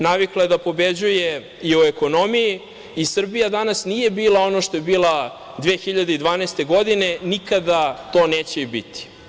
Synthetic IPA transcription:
naʋiklˠaed̪apo̞bed͡ʑuje̞ | ioeko̞no̞mijiː | sr̩bijad̪anasnije̞biːlˠao̞noʃt̪o̞jebiːlˠa | d̪ʋeːxiʎad̪eid̪ʋaːnest̪e̞ɡo̞d̪ine̞nikad̪at̪o̞ːneːt͡ɕeibit̪i̥

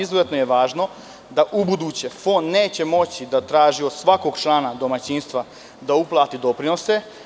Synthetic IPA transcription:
izozet̪nojeʋaːʒno̞ | d̪aʔubud̪ut͡ɕe̞fonne̞ːt͡ɕe̞mo̞t͡ɕid̪at̪ɾaːʒio̞d̪sʋako̞ɡt͡ʃlˠaːnad̪o̞mat͡ɕiːnst̪ʋa | d̪auplˠaːt̪id̪o̞pɾino̞se̞

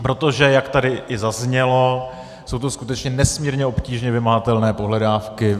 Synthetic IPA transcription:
pɾo̞t̪o̞ʒɛjakt̪adɪʔɪzazɲɛlo̞ | sowt̪o̞skut̪ɛt͡ʃɲɛnɛsmiːɾɲɛo̞pciːʒɲɛvɪmaɦat̪ɛlnɛːpoɦlɛdaːfkɪ

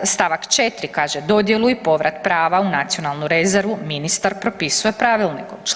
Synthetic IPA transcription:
st̪aʋakt͡ʃet̪ɾikaːʒe̞d̪o̞d̪je̞lˠuipo̞ʋɾat̪pɾaːʋaunat̪sijo̞nalˠnuɾe̞ze̞ɾʋuminist̪aɾpɾo̞pisuje̞pɾaːʋilˠnikot͡ʃ

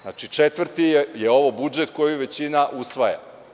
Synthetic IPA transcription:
na̰t͡ʃit͡ʂet̪ʋr̩t̪ijeo̞ʋobud͡ʒe̞t̪ko̞jiʋe̞t͡ɕinaʔusʋaja̰

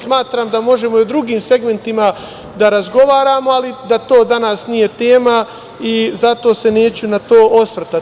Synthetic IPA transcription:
smaːt̪ɾaːmd̪amo̞ʒe̞moiud̪ɾuɡiːmse̞ɡme̞nt̪ima | d̪aɾazɡo̞ʋaːɾaːmo̞alid̪at̪o̞ːd̪anaːsnije̞t̪e̞ːma | izat̪o̞ːse̞ne̞ːt͡ɕunat̪o̞ːosʋr̩t̪a

